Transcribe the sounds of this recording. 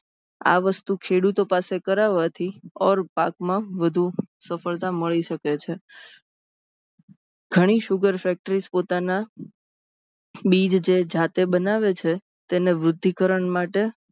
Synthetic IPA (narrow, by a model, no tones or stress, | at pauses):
a̰ʋəst̪ukʰeɽut̪opasekəɾaʋat̪ʰiɔɾpakmãʋəd̪ʱusəfəɭt̪aməɭiʃəket͡ʃʰe | ɡ̥ʱəɽ̃iʃʊɡəɾfɛk̚ʈəɾispot̪ana | ɓid͡ʒd͡ʒed͡ʒat̪ebənaʋet͡ʃʰe | t̪eneʋɾʊd̪ʱːikəɾəɳmaʈe